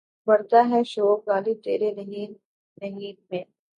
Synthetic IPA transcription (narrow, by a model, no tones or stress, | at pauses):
bɐɾd̪aɦɛʃoːkaːlit̪ḛːɾenɐɦi | nɐɦiːmẽː